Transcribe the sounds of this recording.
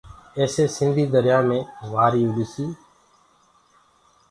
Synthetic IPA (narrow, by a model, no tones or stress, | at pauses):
eːseːsɪnd̪ʱiːd̪əɾjaːmẽːʋaːɾiːʊɗɪsiː